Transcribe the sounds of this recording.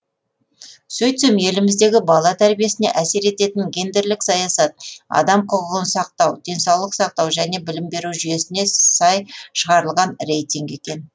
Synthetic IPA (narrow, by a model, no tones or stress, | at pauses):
sɵjt̪semje̞lɪmɪzd̪e̞ɡʲɪbɑlˠɑt̪ʰæɾbije̞sɪne̞̰ʔæse̞ɾe̞t̪e̞t̪ɪŋɡʲe̞nd̪eɾlɪksɑjɑsɑt̪̚ɑ̰d̪ɑmqʰʊʁəʁənsɑq̚t̪ɑwd̪̥e̞nsɑwlˠəqsɑq̚t̪ɑwʒæne̞bɪlɪmbe̞ɾuwʒʏje̞sɪne̞sɑjʃəʁɑɾəlˠʁɑnre̞jt̪ʲiŋɡe̞kʲe̞n